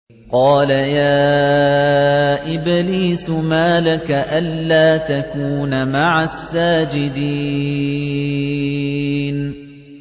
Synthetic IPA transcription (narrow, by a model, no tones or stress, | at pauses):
qɑːlajaː | ʔɪbliːsʊmaːlakaʔanːaːt̪akuːnamaʕasːaːd͡ʒɪd̪i | n